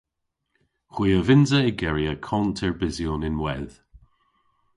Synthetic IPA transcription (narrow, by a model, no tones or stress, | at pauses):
xwiːəvɪnzəɪɡɛɹiəkʰɔntʰɛɹbɪzjoːnɪnwɛð